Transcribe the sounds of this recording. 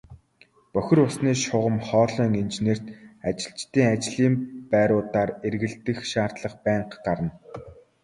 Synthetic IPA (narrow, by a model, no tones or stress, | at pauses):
pœxʲɪ̆rʊsniːʃʊʁə̆mχɔːɮœːŋint͡ɕneːr̥t̪at͡ɕɪ̥̆ɬt͡ɕt̪iːŋat͡ɕɮiːmpæːɾʊːt̪aːrerɣɘ̆ɮt̪ɘ̆xʃaːr̥t̪ɮə̆χpæːɴqɢaɾə̆n